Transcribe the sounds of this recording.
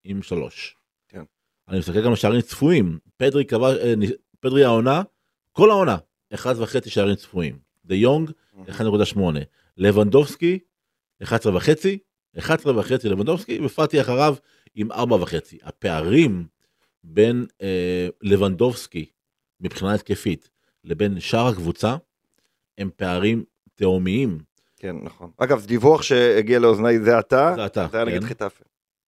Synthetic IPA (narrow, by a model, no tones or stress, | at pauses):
imʃalo̞̰ʃ | animestakelɡamleʃaaʁimt͡sfuimpedʁikavani | ped̪ʁiao̞na | ko̞lao̞na | eχadvaχe̞t͡siʃaaːʁimt͡sfuḭm | d̪ejoŋɡ | eχad̪nekudaʃmo̞ne̞̰ | le̞vand̪o̞vski | eχad̪sʁevaχe̞t͡si | eχad̪sʁevaχe̞t͡sile̞vand̪o̞vskivefat̪iaχaʁav | imʔa̰ʁbavaχe̞t͡siʔa̰pe̞aʁim | be̞nele̞vand̪o̞vski | mipχinaet̪̚kefit̪ | le̞be̞nʃaʁhakvut͡sa | e̞mpe̞aʁim | t̪eomiim | kenːaχonaɡavzedivuaχʃeːɡialeoznajzeat̪azeat̪aajaneɡindχit̪af